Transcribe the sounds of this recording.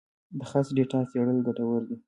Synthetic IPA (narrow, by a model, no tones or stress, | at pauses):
d̪əxasɖeʈɑseɽəlɡaʈawəɾd̪i